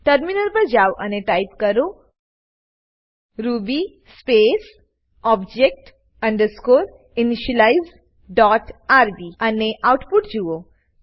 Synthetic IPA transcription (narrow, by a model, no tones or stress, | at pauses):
ʈəɾminəlpəɾd͡ʒawʔaneʈajpkəɾo | ɾubi | spes | ɔbd͡ʑek̚ʈ | ə̃ɳɖəɾskoɾ | iniʃəlaiz | ɖɔʈaɾbianeʔawʈpuʈd͡ʑuʋo